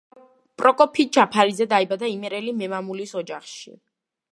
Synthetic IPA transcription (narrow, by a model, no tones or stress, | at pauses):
pʼɾɔkʼɔpʰid͡ʒapʰaɾizɛd̪aibad̪aimɛɾɛlimɛmamulisɔd͡ʒaχʃḭ